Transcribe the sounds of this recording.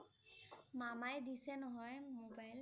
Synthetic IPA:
mamajd̪isɛnɔɦɔjmobajl

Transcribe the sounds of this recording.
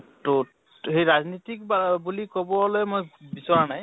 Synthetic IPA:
to | ɦejɹaznitik̚babulikɔbɔlojmojbisɔɹanaj

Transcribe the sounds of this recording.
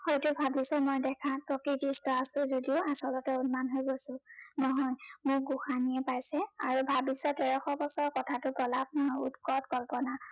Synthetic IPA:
xojtʊbʱabisɔmɔjdɛkʰapɹɔkizistɔasʊ̃zodioasɔlɔtɛunmanɦojɡosʊ̃nɔɦɔjmʊk̚ɡuxanijɛpajsɛa̰ɹubʱabisɔtɛɹɔxɔbɔsɔɹkɔtʰatʊɡɔlab̚nɔɦɔjṵtkɔtkɔlpɔna

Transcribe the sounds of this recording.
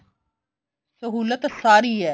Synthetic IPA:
səɦuːlət̪saːɾiːɛː

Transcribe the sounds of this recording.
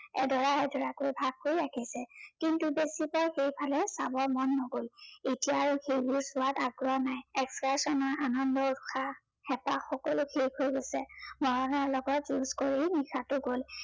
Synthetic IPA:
ɛ̰dɔɹaɛdʱɔɹakojbʱaɡ̚kojɹakʰisɛkintubesipɔɹxejpʰalɛsabɔɹmɔnːɔɡoletijaːɹʊxejbʊɹsʊataɡɹɔanajɛkskasɔnɔɹʔanɔndɔɹuxʰa | xɛpaxɔkɔlʊxʰejkʰojɡosɛmɔɹɔnɔɹlɔɡɔtjuzkoɹinixʰatʊɡol

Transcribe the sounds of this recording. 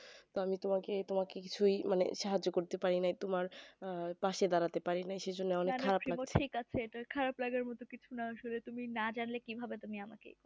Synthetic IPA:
t̪oamit̪omaket̪omakekit͡ɕʰujmanḛʃaɦad͡ʑːokoɾt̪epaɾinajt̪omaɾpaʃed̪aɾat̪epaɾinajʃed͡ʑonːeɔnekʰːaaɾaplaɡmoikat͡ɕʰeeʈakʰaɾaplaɡaɾmɔt̪okit͡ɕʰunaaʃolet̪uminad͡ʑanlekibʱabet̪umiamakḛ

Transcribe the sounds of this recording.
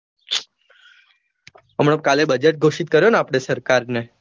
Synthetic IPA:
əmɽ̃əkalebəd͡ʒeʈ̚ɡʱoʃit̪̚kəɾjoneapɽ̃esəɾkaɾne

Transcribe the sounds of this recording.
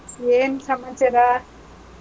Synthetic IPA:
eːnsɐmɐt͡ʃɐɾa

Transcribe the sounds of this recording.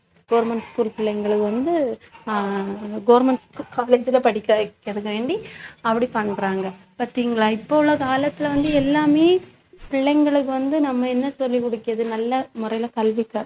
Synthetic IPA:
ɡɐːɾmɛɳʈskuːlpɪɭːɐŋɡɐɭɯkːɯʋɐnd̪ɯ | ɡɐːʋɾmɛɳʈskːkaːleːd͡ʒɪlɐpɐɽɪkːɐkːɐðɯkːɐʋeːɳɖiɐpːɐɽipɐɳːɾaːŋɡɐ | pɐːɾt̪iːŋɡɐɭaːɪpːoɯɭːɐkaːlɐt̪ːɪlɐʋɐnd̪ɯɛlːaːmeː | pɪɭːɐŋɡɐɭɯk̬ːɯʋɐnd̪ɯnɐmːɐɛnːɐsɔlːikːɔɽɯkːɪɐðɯnɐlːɐmʊɾɐjɪlɐkɐlʋɪkːɐː

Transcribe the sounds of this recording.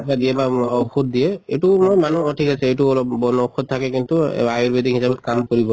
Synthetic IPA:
badiɛbaɔxut̚dijɛetumojmanuɔtʰikasɛetuɔlɔbbɔnɔxɔt̚tʰːakɛkintuajiɹbedixisabɔt̚kamkoɹibɔ

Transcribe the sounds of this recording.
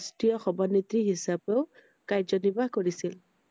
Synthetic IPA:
stijɔxɔbʱɔnit̪ɹiɦisapeʊ | kajzɔnibakoɹisil

